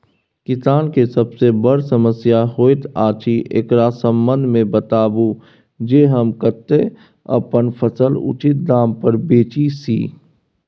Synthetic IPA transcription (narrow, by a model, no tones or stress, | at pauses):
kɪsaːnkesəbsebəɽsəməsjaɦoːɪt̪ʰaːt͡ʃiʔḛːkɾaːsə̃mbə̃nd̪ʱmẽbət̪aːbu | d͡ʒeːɦəmkəɾt̪e | ɐ̰pənpʰəsəlʊ̰t͡ʃɪt̪̚d̪aːmpəɾbeːt͡ʃisḭː